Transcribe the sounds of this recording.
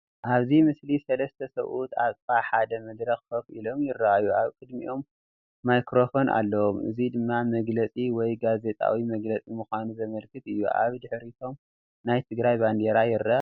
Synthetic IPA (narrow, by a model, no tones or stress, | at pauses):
ʔaβzimɨslisɐlɐst̪ʰɐsɐ̰wʔut̪ʰat̪ʼbaħad̪ɐmɐd̪ɾɐxfofḭlo̞mjɪrːaʔajuʔaβkʼɨd̪mḭʔo̞mː | ajkɾo̞fo̞nʔa̰lːɐwomɨ̰zid̪ɨmːamɐɡlɐt͡sʼiwɔjɡaze̞t̪ʼa̰wimɐɡlɐt͡sʼimɨxʷanuzɐmɐlkʰɨt̪ɨjːṵʔa̰βd̪ɨħɾit̪ʰo̞m | najt̪ʰɨɡɾajband̪eɾajɪrːa